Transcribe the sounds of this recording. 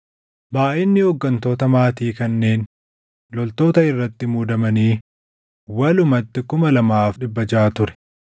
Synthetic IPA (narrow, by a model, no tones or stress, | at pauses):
baːʔɪnːɪhɔɡːɐnt̪o̞ːt̪ɐmaːt̪iːkɐnːe̞ːn | lɔlt̪o̞ːt̪ɐɪrːɐt̪ːɪmuːd̪ɐmɐniː | wɐlʊmɐt̪ːɪkʊmɐlɐmaːfᶑɪbːɐd͡ʒaːt̪ʊɾɛ̥